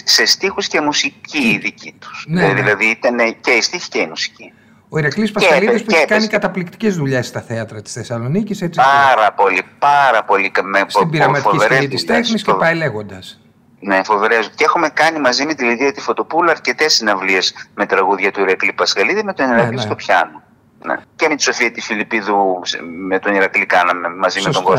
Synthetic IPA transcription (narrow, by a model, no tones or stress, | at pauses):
se̞st̪ixuscemusiciðicit̪u̥sneðilɐðit̪ɐneceist̪içi̥ceimusi̥ci | o̞iɾɐklispɐɐliðispueç̥kɐnikɐt̪ɐplikt̪i̥ce̞zðuʎe̞sst̪ɐθeɐt̪ɾɐt̪i̥sθesɐlo̞niciset͡siɐɾɐpo̞lipɐɾɐpo̞likɐmesfot̪ibiɾɐmɐt̪foivɾeit̪ist̪exniscepɐile̞ɣo̞nd̪ɐs | nefo̞veɾezocexumekɐnimɐzime̞t̪iliðiɐt̪ifo̞t̪o̞puluɐɾce̞t̪e̞sinɐvliezme̞t̪ɾɐɣuðʝɐt̪uiɾɐklipɐskɐliðimet̪oniɾɐlist̪opçɐ̰no | nḛcemet̪i̥so̞fiɐt̪ifilipiðusmet̪o̞niɾɐklikɐnɐmemɐzimeot̪oɡo